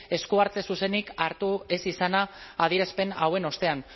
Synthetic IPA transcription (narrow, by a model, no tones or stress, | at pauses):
e̞skuaɾt͡s̪e̞suse̞nikaɾt̪ue̞sisanaːðiɾespe̞nawe̞no̞st̪e̞an